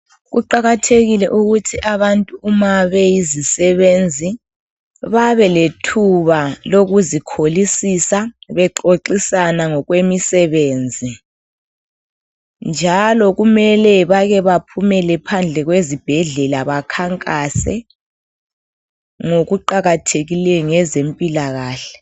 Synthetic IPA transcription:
ɣuǃaɣatʰeɣilɛʔuɣutʰiʔaβantʼuːmaβɛjizisɛβend͡zʱi | βaβɛletʰuβaloɣuzikʰolisisaβɛǃoǃisanaŋɔɣwemisɛβeːnd͡zʱi | nd͡ʒʱalɔɣumɛlɛβaɣɛβapʰumɛlɛpʰand͡ɮʱɛɣwezib̥ʱɛɮɛlaβakʰaŋkʼasɛ̰ | ŋoɣuǃaɣatʰeɣilɛjɔŋɛzempʼilaɣaːɬɛ̥

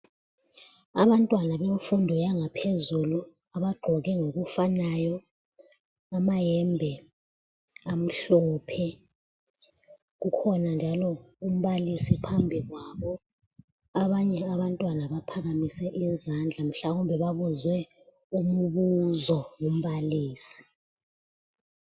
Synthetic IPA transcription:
aβantʼwanaβemfundʱɔjaŋapʰezulu | aβaɡ͡ǃʱɔɣɛŋoɣufanajɔ | amajɛmbʱɛ | am̩ɬɔpʰɛ | ɣukʰɔnand͡ʒʱalɔum̩βalisipʰambʱiɣwaβɔ | aβaɲɛaβantʼwanaβapʰaɣamisɛʔizand͡ɮʱam̩ɬaɣumbʱɛβaβuzwɛ | umuβuzɔŋum̩βaliːsi̥

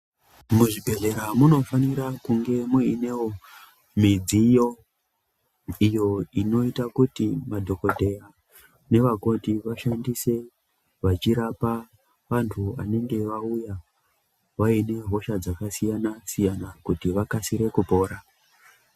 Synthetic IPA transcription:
muʐibʱe̞ɮe̞ɾamuno̞faniɾakuŋɡe̞muine̞wo̞ | mid͡zijo̞ | ijo̞ino̞itakutimadʱo̞ko̞dʱe̞a | ne̞ʋako̞tiʋaʃandise̞ | ʋat͡ʃiɾapa | ʋantʰua̰ne̞ŋɡe̞ʋauja | ʋaine̞ɦo̞ʃad͡zakasijanasijanakutiʋakasiɾe̞kupo̞ːɾa

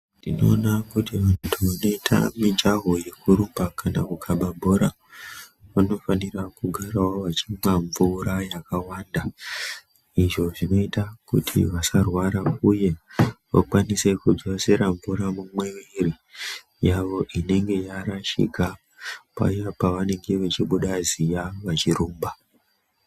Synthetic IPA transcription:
ndino̞̰ːnakutiʋantʰuʋano̞itʰa̰mid͡ʒaɦo̞je̞kuɾumbakana̰kukʰaɓabʱo̞ɾa | ʋano̞fanirakuɡʱaɾawoʋat͡ʃimwaɱvuɾajakawaːnda | iʐo̞ʐino̞itakutʰḭʋasarwaɾauje̞ʋa̰kwanise̞kud͡zose̞ɾaɱvuɾamumwe̞ʋiri | jaʋo̞ʔine̞ŋɡe̞jaɾaʃḭɡa | pa̰japaʋane̞ŋɡe̞ʋet͡ʃiɓuɗazijaʋat͡ʃiruːmba

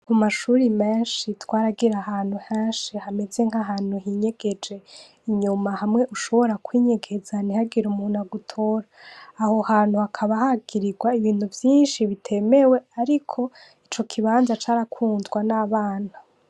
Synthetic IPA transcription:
kumaʃuɾimeːnʃitwaːɾaɡiɾahaːn̥huheːnʃihame̞ze̞ŋaɦaːn̥huɦiɲe̞ɡ̥e̞d͡ʒe̞ | iɲumahamŋe̞ʔuʃo̞βo̞ɾakwiːɲe̞ɡe̞zanihaɡiɾumuːnaɡutʰo̞ːɾaːho̞haːn̥huhakʰaβahaɡ̥iɾiɡwaiβiːn̥huvjiːnʃiβitʰe̞me̞we̞aɾikʰo̞ | it͡ʃo̞kʰiβaːnzat͡ʃaːɾakʰuːnzɡwanaβaːn̥ha

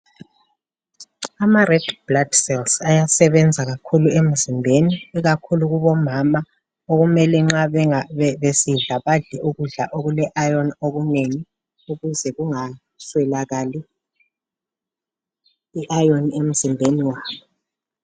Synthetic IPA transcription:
amarɛd̥blad̥sɛlsajasɛβɛnd͡zʱaɣakʰuluem̩zimbʱeniːɣakʰuluɣuβɔmama | oɣumɛlɛŋ͡ǁaβɛŋaβɛβesiɮaβaɮɛʔuɣuɮaʔoɣulɛʔajɔnoɣuneŋi | uɣuzɛɣuŋa | swɛlaɣali | iʔajɔnem̩zimbʱeniwaːβɔ

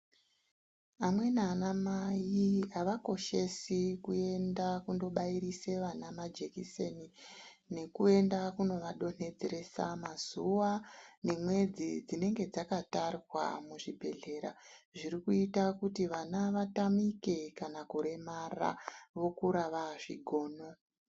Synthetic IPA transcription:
amwe̞nanamajiaʋako̞ʃe̞sikue̞ndakundo̞ɓaiɾise̞ʋanamad͡ʒe̞kiseni | ne̞kue̞ndakuno̞ʋaɗo̞ne̞d͡zeɾe̞sa̰mazuʋane̞mwe̞d͡zid͡zine̞ŋɡe̞d͡zakatarirwa̰muʐibʱe̞ɮe̞ɾa̰ʐiɾikuitakutiʋanaʋatamike̞kanakuɾe̞mara̰ʋo̞kuɾaʋaʐiɡʱo̞ːno̞

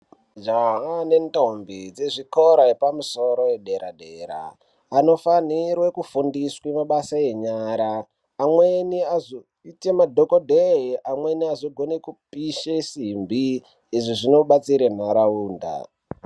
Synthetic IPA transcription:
d͡ʒaɦane̞ntombid͡zeʐikoɾaepamuso̞ɾo̞jeɗe̞ɾaɗe̞ːɾa̰ː | no̞fanirwekufundiswemaɓasae̞ɲaːɾaː | mweniazo | itemadʱokodʱeiʔamwe̞niazoɡʱo̞nekupiʃesimbi | ʐiʐino̞ɓat͡siɾen̤aɾauːnda̰

